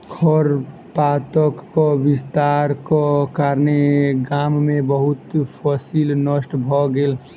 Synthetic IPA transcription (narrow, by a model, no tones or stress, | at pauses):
kʰɔɾ | paːt̪əkːoʋɪst̪aɾkokaɾneɡaːmmẽbəɦʊt̪pʰɔsilnəʃʈbʱɔɡel